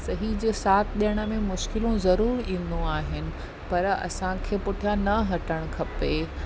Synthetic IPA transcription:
sɐɦid͡ʑeːsaːt̪ʰɗijəɽ̃ə̆mẽmʊʃkɪlũzɐɾuːɾĩːn̆d̪õaːɦɪnɪ̆ | pɐɾɐ̰sãkʰeːpʊʈʰijanɐɦɐʈəɽ̃ʊkʰɐpe

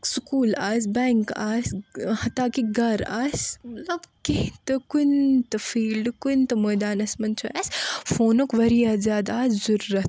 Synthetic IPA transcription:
sʊkuːlaːsbɛːŋkaːshɐt̪aːkiɡɐɾa̰ːsmɐt̪lɐbkeht̪ɐkunt̪ɐfiːlɖkunt̪ɐmoːjd̪aːnɐsmɐnt͡ʃʰuaːsfoːnokʋɐɾijazjaːd̪aːzzuɾuːɐt̪

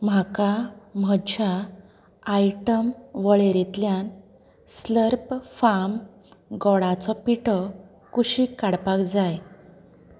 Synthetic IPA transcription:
m̤akam̤əd͡ʑaː | jʈəmʋəɭeɾit̪ljan | sləɾpfam | ɡɔɽat͡sɔpiʈʰɔ | kuɕikaɽpakd͡zaj

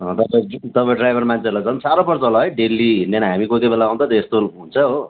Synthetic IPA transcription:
ʌ̃t̪ʌpãĩt̪ʌpãĩɖrajbʱʌrmant͡sʰelat͡sʰʌnsaɾʌpʌrt͡sʌɦolaɦʌjɖelːiɦind̪enʌɦamikot̪ibelaːw̃nt̪ʌt̪ʌest̪ount͡sʰʌɦo

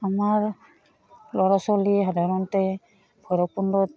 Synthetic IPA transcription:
amaɹ | lɔɹasɔliɦadʱaɾɔntɛ | bʰʱɔjɾɔk̚pundɔt̚

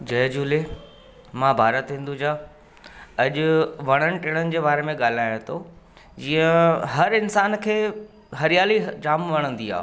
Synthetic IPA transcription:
d͡ʑɐːd͡ʑuːle | mãbʱaːɾət̪ɦɪ̃nd̪ud͡ʑaː | ɐʄʊʋɐɽ̃əɽ̃ɪ̆ʈeːɽ̃ənɪ̆d͡ʑeːbaːɾemẽɠaːl̤aːjõt̪ʰo | d͡ʑiːə̃ɦɐɾɪnsaːnkʰeː | ɦɐɾijaːlid͡ʑaːmʋɐɽ̃ə̃nd̪ia̰ː

